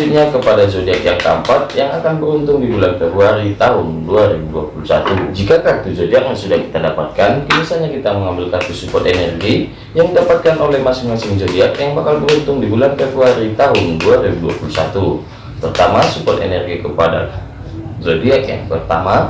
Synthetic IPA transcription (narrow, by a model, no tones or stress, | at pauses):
uɲakəpadazodiakjaŋkəə̰mpat̪̚jaŋakanbəɾunt̪ʊŋdibulanfɛbɾuaɾit̪aɦʊnduaɾibuduapulusa̰t̪ud͡ʒikakat̪uzodiak̚masudahki̥t̪adapat̪̚kanɡənisaɲakit̪aməŋambɪlkat̪usukɔt̪enɛrɡi | jaŋdapat̪̚kanolɛhmasɪŋmasɪŋzodiakjaŋbakalbəɾunt̪ʊŋdibulanfɛbɾuaɾit̪aɦʊnduaɾibudua̰pulusa̰t̪u | pərt̪amasukɔt̪ḛnɛrɡikəpada̰ | zodiakja̰ŋpərt̪ama